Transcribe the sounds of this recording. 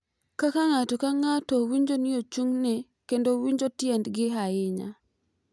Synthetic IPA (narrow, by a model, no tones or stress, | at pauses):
kakaŋatokaŋatowiɲd͡ʒonɪjot͡ʃuŋni | kendowiɲd͡ʒotjɛndɡɪɦajɪɲa̰